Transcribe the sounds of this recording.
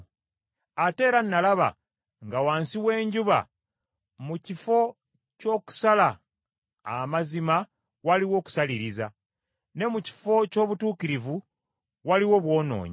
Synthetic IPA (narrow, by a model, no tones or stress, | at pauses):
ate̞ːɾanːalaβa̰ | ŋɡawaːnsiwe̞ːɲɟuβa̰ | mucifo̞ | co̞ːku̥salaː | mazima | waliwo̞ːku̥saliɾiza | ne̞muci̥fo̞co̞ːβutuːkiɾivu | waliwo̞βwo̞ːno̞̰ːɲ